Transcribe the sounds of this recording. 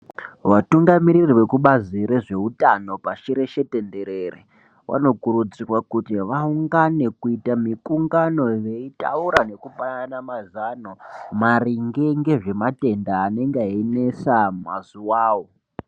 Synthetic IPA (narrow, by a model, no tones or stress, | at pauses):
ʋatuŋɡamiɾirʋe̞kuɓaziɾe̞ʐe̞ɦutano̞paʃiɾe̞ʃe̞te̞nde̞ɾere | wʔa̰no̞kuɾud͡zirwakutiʋauŋɡane̞kuitamikuŋɡano̞je̞ita̰uɾane̞kupananamazanomariŋɡeŋɡe̞ʐe̞mate̞ndaːne̞ŋɡeaine̞samazuwaːwo̞